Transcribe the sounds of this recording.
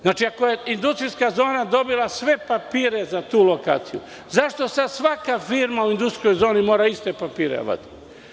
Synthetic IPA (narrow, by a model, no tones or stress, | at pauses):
znaːt͡ʃiako̞je̞ind̪ust̪ɾiskazo̞ːnad̪o̞bilˠasʋe̞papiːɾe̞zat̪uːlo̞ka̰ːt̪sijṵ | zaʃt̪o̞sad̪sʋakafiɾmauind̪ust̪ɾijo̞jzo̞ːnimo̞ːɾaist̪e̞papiːɾḛʋa̰t̪i̥